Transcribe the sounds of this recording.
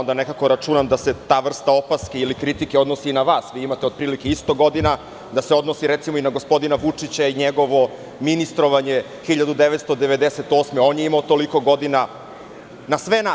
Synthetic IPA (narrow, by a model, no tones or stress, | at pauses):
ond̪anekako̞ɾat͡ʂunamd̪ase̞t̪aːʋr̩st̪ao̞paskeilikɾit̪ikeo̞d̪nosiːnaʋaːsʋiimat̪eod̪̚pɾiːlikeist̪o̞ɡo̞d̪ina | d̪aseo̞d̪nosiɾet̪simoinaɡo̞spo̞d̪inaʋut͡ʂit͡ɕaiɲeɡo̞ʋo̞ | minist̪ɾo̞ʋaɲe | xiʎad̪ud̪eʋet̪st̪od̪eʋe̞d̪eset̪oːsmeo̞njeimaot̪o̞liko̞ɡo̞d̪ina | nasʋena